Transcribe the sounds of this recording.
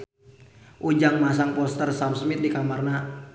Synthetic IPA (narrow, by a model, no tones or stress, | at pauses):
ʔud͡ʒaŋmas̬aŋpɔst̪ərsamsmɪt̪̚dikamarna